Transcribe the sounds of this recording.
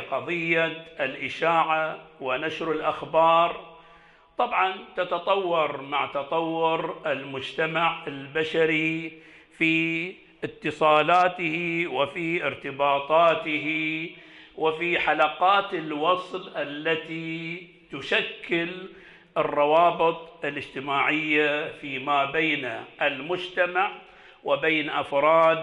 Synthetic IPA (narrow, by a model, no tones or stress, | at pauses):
qɑðˤɨjːaɪlʔɪʃaːʕawɪnaʃɾɪlʔaxbɑːɾˤ | t̪ˤɑbʕɑnt̪at̪ɑt̪ˤɑwːɑɾˤmaʕt̪ɑt̪ˤɑwːʊɾɪlmʊd͡ʒt̪amaʕɪlbaʃaɾi | fi | ʔɪt̪ːɨsˤɑːlaːt̪ɪhiwɪfiʔɪɾt̪ɪbɑːt̪ˤɑːt̪ɪɦi | wɪfiħalaqɑːt̪ɪlwɑsˤlʔalːat̪i | t̪ʊʃakʰːɪl | ʔɨrˤːɑwɑːbɨt̪ˤɪlɪd͡ʒt̪ɪmaːʕɪjːafiːmaːbeːnʔɪlmʊd͡ʒt̪amaʕ | wɪbeːnʔafɾˤɑːd̪